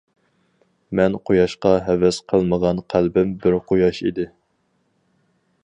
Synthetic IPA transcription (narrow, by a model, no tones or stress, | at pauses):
mɛnqʰojɑʃqɑɦɛvɛsqʰəlˠməʁɑnqʰælbɪmbɪɾqʰojɑʃḭd̪ɪ